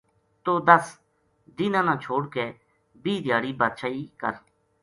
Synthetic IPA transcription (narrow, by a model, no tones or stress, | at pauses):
t̪oːd̪əs | d̪iːnãːnãːt͡ʃʰoːɽkeː | biːd̪ɪjaːɽiːbaːt̪ʃaːiːkə̰ɾ